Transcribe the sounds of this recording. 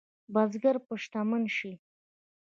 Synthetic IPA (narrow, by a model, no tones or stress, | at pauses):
bazɡaɾpəʃt̪amənʃi